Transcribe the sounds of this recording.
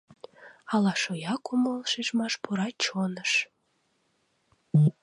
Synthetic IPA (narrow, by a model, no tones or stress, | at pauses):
ɑlɑʃojɑkumolʃiʃmɑʃpuɾɑt͡ɕonəʃ